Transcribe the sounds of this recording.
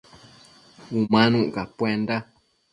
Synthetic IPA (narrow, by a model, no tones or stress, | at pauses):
umãnũʔkapwend̪a